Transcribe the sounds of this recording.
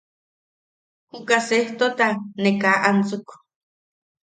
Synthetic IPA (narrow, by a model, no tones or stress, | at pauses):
hukaseht̪ot̪anekaʔant͡suk